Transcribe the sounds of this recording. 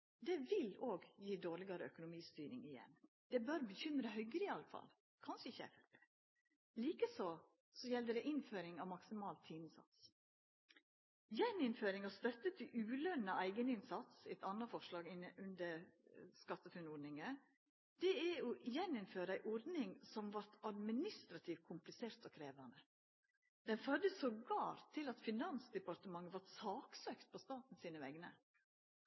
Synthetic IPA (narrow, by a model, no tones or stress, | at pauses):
d̪ɛʋɪloːɡjiːd̪oːɾlɪɡɑɾəœkʊnʊmiːst̪yːɾɪ̰ŋɪjɛ̰nː | d̪̥ɛbøɾbəçʏmɾəhœɡɾɪɑləfɑ̰l | kʰɑnʂəɪçæ̰ɾt̪ɛ | liːkəsɔ | sɔjɛld̪əd̪ɛʔɪnføːɾɪŋɑʋmɑksɪmɑːlt̪ʰːiːnsɑ̰t̪s | jɛnɪnføːɾɪŋɑʋst̪œt̪ːət̪ʰːɪlʔʉːlœnːəʔæɪɡənɪnsɑt̪sæɪt̪ʰɑnəfɔɾʂlɑːɡɪnʉnd̪əɾskɑt̪ːəfʉnɔɖnɪŋə | d̪̥ɛɛɔʔjɛnɪnføːɾəæɪʔɔɾd̪nɪŋsɔmʋɑɾt̪ɑd̪mɪnɪst̪ɾɑt̪ʰiːʋ̚kʰʊmplɪseːɾt̪ɔkʰɾeːʋɑnə | d̪̥ɛnfœɾd̪əsoːɡɑːɾt̪ʰːɪlɑt̪fɪnɑnsd̪ɛpɑɾt̪əmɑŋːəʋɑɾsɑːksøːkt̪̚pʰɔst̪ɑːt̪n̩siːnəʋɛɡnə